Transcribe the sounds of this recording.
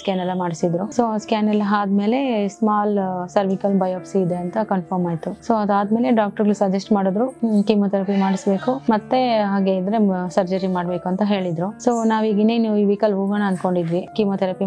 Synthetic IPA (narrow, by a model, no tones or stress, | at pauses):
skaːnɐlːɐmaːɽisid̪ɾusoːskaːnɐlːɐɦaːd̪me̞ːle̞smaːlsɐɾʋikɐlbɐjoːpsiːd̪e̞ɐnt̪ɐkɐnpʰɐɾmaːjt̪usoːɐd̪aːd̪meːle̞ɖaːk̚ʈɐɾɡɐɭusɐd͡ʒɐsʈmaːɽod̪ɾukimot̪ɐɾɐpimaːɽisbe̞ːkumɐt̪ːeɦaːɡeid̪ɾe̞sɐɾd͡ʒɐɾimaːɖbeːkuɐnt̪ɐɦe̞ːɭid̪ɾusoːnaːʋiːɡineːniːʋiʋikɐlɦuːɡɐnɐɐnd̪ko̞ɳɖid̪ʋikimot̪ʰɐɾɐpi